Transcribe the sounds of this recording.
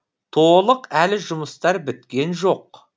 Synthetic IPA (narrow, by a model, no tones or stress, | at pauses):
t̪ʰo̞lˠəqælɪʒʊməst̪ɑɾbɪt̪kʲe̞nʒo̞q